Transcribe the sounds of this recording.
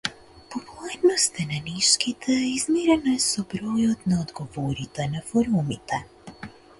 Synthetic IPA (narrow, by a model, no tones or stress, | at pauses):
pɔpulˠaɾnɔst̪ɛnaniʃkit̪ʰɛizmiɾɛnaɛsɔbɾɔjɔt̪naɔd̪ɡɔvɔɾit̪ɛnafɔɾumit̪ɛ